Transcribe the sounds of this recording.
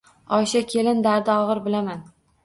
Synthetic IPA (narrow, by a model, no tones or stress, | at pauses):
ɒʃakʲʰe̞lɪnd̪aɾd̪aɒʁɨɾbɪlaman